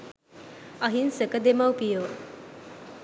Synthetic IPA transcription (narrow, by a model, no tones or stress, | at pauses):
ɐɦinsəkəd̪emawpijoː